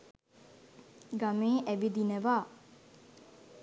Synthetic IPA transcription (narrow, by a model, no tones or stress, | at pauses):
ɡameːʔæbid̪inəʋaː